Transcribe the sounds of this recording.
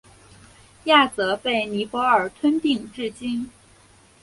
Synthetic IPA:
ja˥˩t͡sɤ˧˥pe˥˩ɪni˧˥pwɔ˧˥ə˞˨˩t̪ʰwə˥nt̪i˥˧ŋʈ͡ʂɻ̩˥˩t͡ɕi˥n

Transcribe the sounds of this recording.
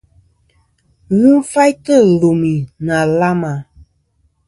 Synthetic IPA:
ɣɨ˦fa˦jtɨ˦˨lo˨mi˨na˨la˦ma˨

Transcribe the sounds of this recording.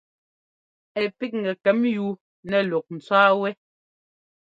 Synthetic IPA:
ɛ˨pi˦k̚ŋ̩˨ɡɛ˨kɛ˨˦mju˦ | nɛ˨lɔ˨k̚n̩˨t͡saː˦wɛ˦

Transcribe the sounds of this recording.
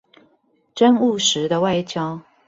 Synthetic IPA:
ʈ͡ʂə˦nu˥˨˩ʂɻ̩˨˦d̪ə˧wa˥˧ɪt͡ɕjɑ˥ʊ

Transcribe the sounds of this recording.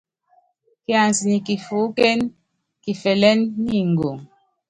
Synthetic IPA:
ki˦a˨n˨si˨ni˨ki˨fu˨˦kɛ˦n | ki˨fɛ˨lɛ˦nːi˦˨ŋ̩˨ɡo˨ŋ

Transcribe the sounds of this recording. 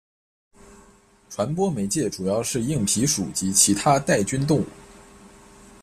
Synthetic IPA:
ʈ͡ʂʰwa˧˥npwɔ˥me˧˥ɪt͡ɕjɛ˥˩ʈ͡ʂu˨˩jɑ˥˧ʊʂɻ̩˥˧i˥˩ŋpʰi˧˥ʂṵ˨˩t͡ɕi˧˥t͡ɕʰi˧˥t̪ʰa˥t̪a˥˩ɪt͡ɕy˥nt̪̬ʊ˥˧ŋṵ˥˩

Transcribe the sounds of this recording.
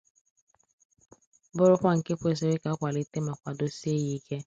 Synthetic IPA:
bʊ˦ɾʊ˦kʷa˦˨ŋ̩˨ke˦kʷe˦˨s̬o˨ɾɪ˦ka˨˦kʷa˨li˦te˦ma˨kʷa˨do˦si˦e˦ji˦ke˦

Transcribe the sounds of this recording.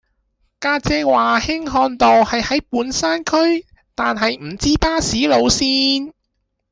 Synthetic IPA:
kaː˧t͡sɛː˧waː˨hɪ˥ŋɦɔː˧nt̪ɔː˨˩whɐ˨jhɐ˨˥jpuː˨˥nsaː˥nkʰɵ˥ɥ | t̪aː˨nɦɐ˨jm̩˨˩t͡siː˥paː˥siː˨˥lo˨˧wsiː˥n

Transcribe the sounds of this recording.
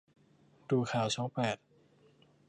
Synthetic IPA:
duː˨˩kʰaː˨˩˦wt͡ɕʰɔː˦˥ŋpɛː˨˩t̪̚

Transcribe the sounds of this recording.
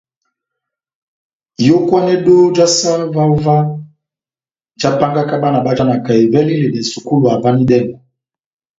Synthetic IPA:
jo˦kwa˦nɛ˦do˦d͡ʒa˦sa˦va˦u˦va˦˨ | d͡ʒa˦pa˦ŋɡa˦ka˦ba˦na˨ba˦d͡ʒa˦na˨ka˨e˨vɛ˦li˦le˨nɛ˨su˨ku˦lu˨a˨va˦ni˦dɛ˦ŋɡɔ˨

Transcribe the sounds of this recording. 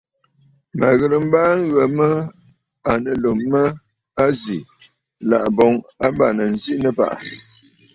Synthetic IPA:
ma̰˨ɣə˨ɾɨ˨m̩˦baː˦ŋ̩˦ɣə˨mə˦ | a˨nə˨lo˨mːə˦ | a˦zi˨ | la̰˨ʔbɔ˨ŋa˦ba˦˨nə˨n̩˨zi˦nə˦pa̰˦ʔa˨

